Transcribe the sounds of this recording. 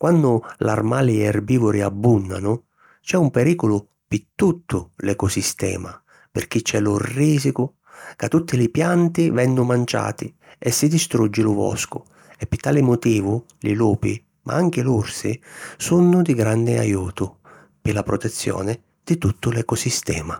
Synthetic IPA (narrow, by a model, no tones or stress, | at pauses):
kwanːʊla̰rmaːliɛrbiːvʊɾiabːunːa̰nʊ | t͡ʃɛumpɛɾiːkʊlʊ | pɪt̪ːut̪ʰːʊlɛkɔsist̪ɛ̰ːma | pɪ̰rk̟it͡ʃːɛlʊrːiːsikʊ | kat̪ːut̪ːilɪpjant̪ivɛnːʊmant͡ʃa̰ːt̪i | ɛsːid̪ist̪ɾud͡ʒːɪlʊvɔ̰skʊ | ɛpːɪt̪ːaːlɪmʊt̪iːvʊ | lḭluːpi | mʔa̰aŋk̟ɪlursɪ̰sunːʊd̪iɡɾand̪ɪa̰juːt̪ʊ | pɪlapɾɔt̪ɛt̪sːjɔ̰ːnɪ | d̪̥ɪt̪ut̪ːʊlɛkɔsist̪ɛ̰ːma